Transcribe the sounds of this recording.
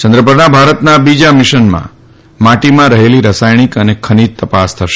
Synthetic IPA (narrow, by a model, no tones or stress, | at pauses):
t͡ʃə̃nd̪ɾəpəɾnabʱaɾət̪nabid͡ʒamɪʃənmã̰ | maʈimãɾəɦeliɾəsajɽ̃ikənekʰənid̪̚t̪əpast̪ʰəʃe